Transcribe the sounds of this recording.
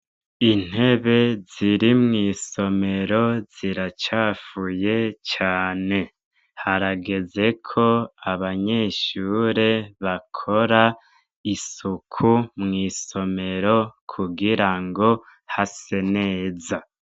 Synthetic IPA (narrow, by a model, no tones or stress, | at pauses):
in̥he̞βe̞ziɾimŋiːso̞me̞ɾo̞z̥iɾat͡ʃaːfuje̞t͡ʃaːne̞ | haɾaɡe̞ze̞kʰo̞aβaɲe̞ːʃuɾe̞βakʰo̞ɾa | isukʰumŋiːso̞me̞ɾo̞kʰuɡiɾaŋɡo̞ | hase̞ne̞ːza